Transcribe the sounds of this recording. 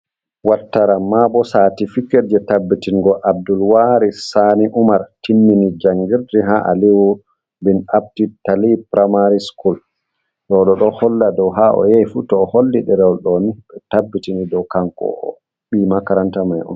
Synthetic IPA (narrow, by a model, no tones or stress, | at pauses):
watːaɾamːabɔsatifikɛɾd͡ʒɛtabːitinɡɔʔab̚dulwaɾisaniʔumaɾtinːinid͡ʒaŋɡiɾdiɦaʔa̰liwu | binap̚titalipɾamaɾiskul | ɗɔɗɔɗɔhɔlːadɔwɦaʔɔ̰jejfutɔːholːiɗɛɾɛɔɗɔniɓɛtabːitinidɔwkaŋkɔ̰ɔ̰ | ɓimakaɾantamajʔɔ̰n